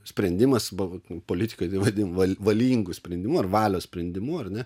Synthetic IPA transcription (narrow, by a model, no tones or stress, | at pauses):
sʲpʲɾʲɛnʲd̪ʲɪmɐsʋɐpoːlʲɪt̪ʲɪ̥koːjt̪ɐɪʋɐd̪ʲɪnʋɐlʋɐlʲiːŋɡʊsʲpʲɾʲɛnʲd̪ʲɪmuɐrʋɑːlʲoːsʲpʲɾʲɛnʲd̪ʲɪmuɐrnʲɛ